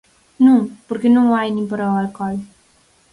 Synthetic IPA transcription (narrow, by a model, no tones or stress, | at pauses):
nɐ̃w̃poɾkɪnɐ̃w̃ajnẽpɐɾawalkɔl